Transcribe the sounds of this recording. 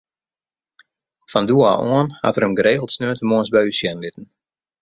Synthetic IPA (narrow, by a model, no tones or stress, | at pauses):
fandua̰ʔoənha̰tərəmɡəɾeːɣəlˠtsnøːətəmoənsbɛjysjɛnlɪtən̩